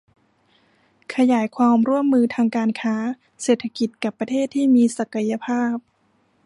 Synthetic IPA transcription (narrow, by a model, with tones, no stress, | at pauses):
kʰa˧jaː˩˦jkʰwaː˧mɾu˥˩əmːɯː˧t̪ʰaː˧ŋkaː˧nkʰaː˦˥ | seː˨˩t̪ʰːa˧ki˨˩t̪̚ka˨˩pːa˧t̪ʰeː˥˩t̪ʰːiː˥˩miː˧sa˨˩ka˧ja˧pʰaː˥˩p̚